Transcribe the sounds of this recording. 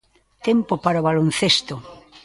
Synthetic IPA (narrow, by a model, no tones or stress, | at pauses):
t̪empopaɾoβalon̟θest̪o